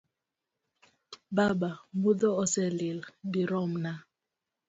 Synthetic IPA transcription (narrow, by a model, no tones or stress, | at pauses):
babambuðɔɔsɛlildiɾɔmna